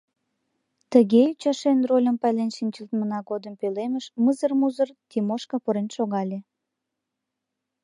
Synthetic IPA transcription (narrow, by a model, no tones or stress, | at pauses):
t̪əɣeut͡ɕɑʃenrolʲəmpælenʃinʲt͡ɕəlt̪mənɑɣod̪əmpøleməʃməzərmuzərt̪ʲimoʃkɑpoɾenʃoɣɑlʲe